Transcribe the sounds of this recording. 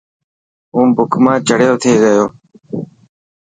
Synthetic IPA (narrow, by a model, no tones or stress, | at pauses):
ũːbʊkʰmãːt͡ʃəɽjoːt̪ʰeːɡəjoː